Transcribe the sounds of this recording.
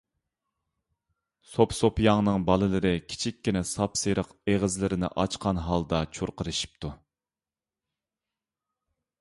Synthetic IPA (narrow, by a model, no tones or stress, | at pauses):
sopsopjɑŋnɨŋbɑlˠɨlˠɨɾɨkʲʰi̥t͡ʃʰikʲʰːinɪsɑpseɾəqeʁəzlɪɾɪnɪ̰ʔɑt͡ʃqʰɑnɦɑlˠd̪ɑt͡ʃʰuɾqəɾɨʃi̥p̚t̪ʰu